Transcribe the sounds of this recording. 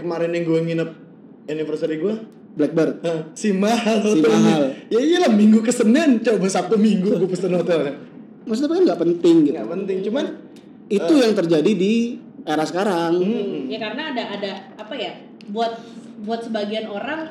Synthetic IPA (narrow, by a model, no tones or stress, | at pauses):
kəmaɾɪnjaŋɡuɛŋinəp̚ | unifərsaɾiɡuɛ | blɛk̚bərəsimaɦalsosiomaɦaljaialahmiŋɡukəsənɪnt͡ʃawbəsap̚t̪umiŋɡuɡupəst̪ənot̪oka | mas̬apakanɡaʔpənt̪ɪŋɡit̪ɡuapənt̪ɪŋt͡ʃuman | it̪ujaŋt̪ərd͡ʒadidi | ʔeɾasəkaɾaŋjakarənaːdaʔːdaː | paja | buat̪̚buat̪̚səbaɡianoɾaŋ